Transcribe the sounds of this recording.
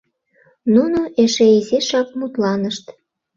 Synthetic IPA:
nunoʔeʃeiziʃɑk̚mut̪lɑnəʃt̪

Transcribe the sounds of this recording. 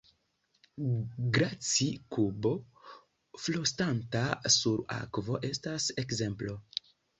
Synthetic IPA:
ɡɾat͡sikubo̞ | flostantasuɾa̰kvo̞ʔe̞stase̞kze̞mplo̞

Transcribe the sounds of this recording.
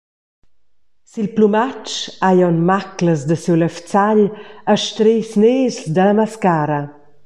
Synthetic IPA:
silplumat͡ʃajɔnmakləzd̪əsiwləft͡saʎaʃt̪ɾesneːzd̪ələmaskaːɾə

